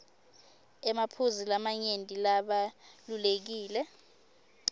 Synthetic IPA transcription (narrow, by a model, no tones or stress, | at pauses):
ɛmapʰuzilamaɲendʼilaɓalulek̬iːlɛ